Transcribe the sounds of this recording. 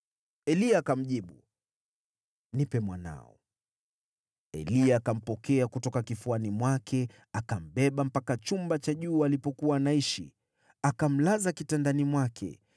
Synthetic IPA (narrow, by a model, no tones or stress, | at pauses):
ɛliakam̩ʄiɓu | nipɛmwana̰ɔ̰ | ɛ̰liaːkam̩pɔkɛakutɔkakifuanimwakʰɛ | akam̩bɛɓam̩pakat͡ʃumbat͡ʃaʄuːalipɔkuwanaiʃḭ | akam̩lazakitandanimwakʰɛ̰